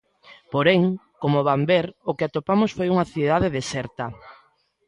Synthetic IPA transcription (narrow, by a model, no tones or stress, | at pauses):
poɾeŋkomoβambeɾokɪat̪opamʊsfojuŋaθið̞aðeðesɛɾt̪a